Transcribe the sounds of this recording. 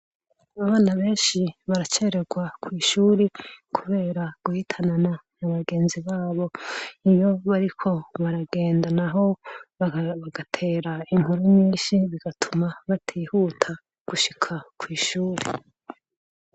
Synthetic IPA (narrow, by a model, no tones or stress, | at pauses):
aβaːnaβe̞ːnʃiβaɾat͡ʃe̞ɾe̞ɡwakwiːʃuːɾekʰuβe̞ːɾaɡ̥uhitʰanananaβaɡe̞ːnziβaːβo̞ijo̞βaɾikʰo̞βaɾaɡe̞ːndanaɦo̞ | βaɡ̥atʰe̞ːɾaiŋ̥huɾuɲĩːʃiβiɡ̥atʰumaβatʰiːhutʰa | ɡ̥uʃikʰakwiːʃuːɾe